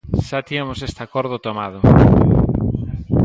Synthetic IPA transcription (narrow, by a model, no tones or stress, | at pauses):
ʃat̪iamosest̪akoɾðʊt̪omað̞ʊ